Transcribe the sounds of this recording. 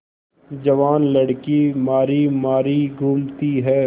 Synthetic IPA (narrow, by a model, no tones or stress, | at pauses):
d͡ʒɐʋaːnlɐɽkimaːɾimaːɾiɡʱuːmt̪iɦɛː